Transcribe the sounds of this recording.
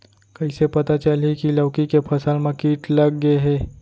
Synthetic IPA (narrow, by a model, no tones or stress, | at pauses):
kɐisepɐt̪at͡ʃəlikiləʋkikepʰɐsəlmẽkiːʈlɐɡːəeɦɛː